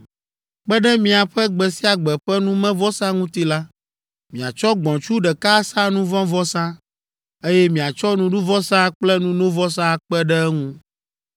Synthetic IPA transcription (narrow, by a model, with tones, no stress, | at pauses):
k͡pɛ˦ɖɛ˦mĩ˨a˨ɸɛ˦ɡ͡bɛ˨si˦a˨ɡ͡bɛ˨ɸɛ˦nũ˦mɛ̃˦vɔ˦sã˦ŋũ˦t̪i˦la˦ | mĩ˨a̰˨t͡ʃɔ˦ɡ͡bɔ̃˨t͡ʃu˦ɖɛ˨ka˦sã˦nũ˦vɔ̃˦vɔ˦sã˦ | e˦jɛ˦mĩ˨a˨t͡ʃɔ˦nũ˨ɖu˦vɔ˦sã˦k͡plɛ˦nũ˦nõ˦vɔ˦sã˦˨k͡pɛ˦ɖɛ˦ŋũ˦